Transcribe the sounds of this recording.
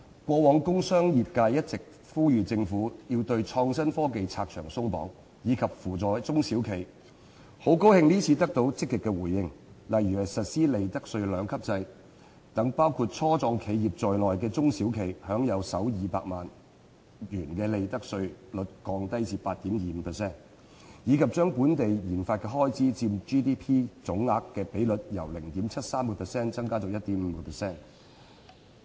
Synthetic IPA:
kʷɔː˧wɔː˨˧ŋkʊ˥ŋsœː˥ŋjiː˨p̚kaː˧jɐ˥t̚t͡sɪ˨k̚ | fuː˥jyː˨t͡sɪ˧ŋfuː˨˥jiː˧wt̪ɵ˧ɥt͡ʃʰɔː˧ŋsɐ˥nfɔː˥ke˨jt͡sʰaː˧k̚t͡ʃʰœ̰ː˨˩ŋsʊ˥ŋpɔ̰ː˨˥ŋ | jiː˨˧kʰɐ˨p̚fuː˨˩t͡sɔː˨jt͡sʊ˥ŋsiː˨˥wkʰe˨˩j | ho˨˥wko˥whɪ˧ŋniː˥t͡sʰiː˧t̪ɐ˥k̚t̪o˨˧wt͡sɪ˥k̚ːɪ˨kːɛː˧wuː˨˩jːɪ˧ŋ | lɐ˨jyː˨hɐ˨˩jsɐ˨t̚siː˥le˨˧jt̪ɐ˥k̚sɵ˧ɥlœː˨˧ŋkʰɐ˥p̚t͡sɐ˧j | t̪ɐ˨˧˥ŋpaː˥wkʰuː˧t̚t͡sʰɔː˥t͡sɔː˧ŋkʰe˨˧jjiː˨p̚t͡sɔː˨˩jlɔː˨jkɛː˧t͡sʊ˥ŋsi˨˥wkʰe˨˩jhœː˨˥ŋjɐ˨˧wsɐ˨˥wjiː˨pa̰ː˧k̚maː˨n | jyː˨˩nkɛː˧le˨jt̪ɐ˥k̚sɵ˧ɥlɵ˨˥t̚kɔː˧ŋt̪ɐ˥jt͡siː˨˩paː˧t̚t̪i˨˥mjiː˨m̩˨˧˥pʰɛ˨˩sɛː˥˩n | jiː˨˧˥kʰɐ˨p̚t͡ʃœː˥ŋpuː˨˥nt̪e˨jjiː˨˩nfaː˧t̚kɛː˧ɦɔː˥jt͡siː˥t͡siː˧mt͡ʃiː˥t̪iː˥pʰiː˥t͡sʊ˨˥ŋːaː˧kːɛː˧pe˨˥jlɵ˨t̚jɐ̰˨˩wlɪ˨˩ŋt̪iː˨˥mt͡sʰɐ˥t̚saː˥mkɔ˧pʰɛ˨˩sɛː˥˩nt͡sɐ˥ŋkaː˥t͡sɔː˨˧jɐ˥t̚t̪i˨˥m̩ː˨˧kɔ˧pʰɛ˨˩sɛː˥˩n

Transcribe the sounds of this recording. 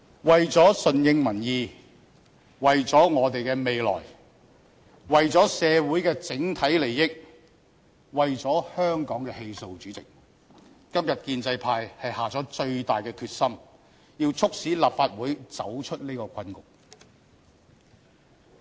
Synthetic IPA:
wɐ˨jt͡sɔː˨˥sɵ˨njɪ˧ŋmɐ˨˩njiː˧ | wɐ˨jt͡sɔː˨˥ŋɔː˨˧t̪e˨jkɛː˧me˨jlɔ̰ː˨˩j | wɐ˨jt͡sɔː˨˥sɛː˨˧wuː˨˥jkɛː˧t͡sɪ˨˥ŋt̪ʰɐ˨˥jle˨˩jːɪ˥k̚ | wɐ˨jt͡sɔː˨˥hœː˥ŋkɔː˨˥ŋkɛ˧he˧jso˧wt͡ʃyː˨˥t͡sɪ˨k̚ | kɐ˥mjɐ˨t̚kiː˧nt͡sɐ˧jpʰaː˧jhɐ˨jhaː˨t͡sɔː˨˥t͡ʃɵ˧ɥt̪aː˨˩jkɛː˧kʰyː˧t̚sɐ˥m | jiː˧wt͡sʰʊ˥k̚siː˨˥laː˨p̚faː˧t̚wuː˨˥jt͡sɐ˨˥wt͡ʃʰɵ˥t̚niː˥kɔː˧kʷʰɐ˥nkʊ˨k̚

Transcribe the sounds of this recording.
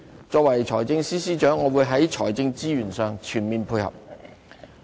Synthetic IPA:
t͡ʃɔː˧k̚wɐ˨˩jt͡ʃʰɔː˨˩jt͡sɪ˧ŋsiː˥siː˥t͡ʃœː˨˥ŋːɔː˨˧wuː˨˧jɦɐ˨˥jt͡ʃʰɔː˨˩jt͡sɪ˧ŋt͡siː˥jyː˨˩nsœː˨˧ŋt͡ʃʰyː˨˩nmiː˨npʰuː˧jhɐ̰˨p̚

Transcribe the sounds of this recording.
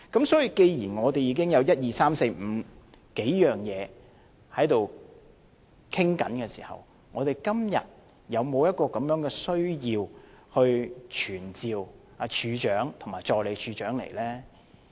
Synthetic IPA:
kɐ˨˥msɔː˨˥ji˨˧ke˧jjiː˨˩nŋɔː˨˧t̪e˨jiː˨˧kɪ˥ŋjɐ˨˧wjɐ˥t̚jiː˨saː˥mse˧jm̩˨˧ | ke˨˥jjœː˨ŋjɛː˨˧ | hɐ˨˥jt̪o˨w | kʰɪ˥ŋkɐ̰˨˥nkɛː˧siː˨˩hɐ̰˨˩w | ŋɔ̰ː˨˧t̪e˨˩jkɐ˥mjɐ̰˨t̚ | jɐ˨˧wmo˨˧wjɐ˥t̚kɔː˧kɐ˨˧mjœː˨˥ŋkɛː˧sɵ˥ɥjiː˧whɵ˧ɥt͡ʃʰyː˨˩nt͡siː˨˧w | a˨˧t͡ʃʰyː˨˧t͡ʃœː˨˥ŋt̪ʰʊ˨˩maː˨jt͡ʃɔː˨˧kle˨˧t͡ʃʰyː˨˧t͡ʃœː˨˥ŋlḛ˨˩jlɛː˥

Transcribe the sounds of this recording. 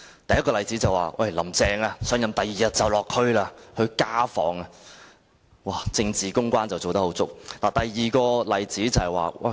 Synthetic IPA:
t̪ɐ˨jɐ˥t̚kɔː˧lɐ˨jt͡si˨˥t͡sɐ˨waː˨wʔɐ̰˥˩jlɐ˨˩mt͡sɛː˧ŋaː˧sœː˨˥ŋjɐ˨˧mt̪ɐ˨jːiː˨jɐ˨˧t̚t͡sɐ˨˩wlɔː˨kʰɵ˥ɥlaː˧hɵ˧ɥkaː˥fɔ̰ː˨˥ŋɐ˧ | waː˨˩t͡sɪ˧ŋt͡siː˨˩kʊ˥ŋkʷaː˥nt͡sɐ˨wt͡so˨wt̪ɐ˥ho˨˥wt͡sʊ˥k̚laː˨˩t̪ɐ˨jːiː˨kɔː˧lɐ˨jt͡siː˨˥t͡sɐ˨˩whɛ˨jwa̰ː˨wʔɐ̰˥˩

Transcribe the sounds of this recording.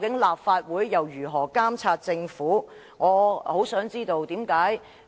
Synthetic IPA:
kɪ˨˥ŋlaː˨p̚faː˧t̚wuː˨˥jːɐ˨˩wjyː˨˩ɦɔː˨˩kaː˥mt͡sʰaː˧t̚t͡sɪ˧ŋfuː˨˥ | ŋɔː˨˧ho˨˥wsœː˨˥ŋt͡siː˥t̪o˧wt̪iː˨˥mkaː˨˥j

